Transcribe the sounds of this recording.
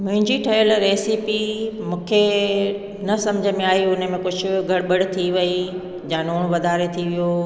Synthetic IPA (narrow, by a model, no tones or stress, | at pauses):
mʊ̃ɦɪ̃ɲd͡ʑiʈʰɐjəlɾeːsipimũːkʰe | nɐsɐ̃md͡ʑʱəmẽaːɦiʊn̆mẽkʊd͡ʑʱʊ̆ɡʱɐɽɓəɽt̪ʰiʋɐi | d͡ʑãːnoːɽ̃ʋɐd̪ʱaːɾet̪ʰiʋijo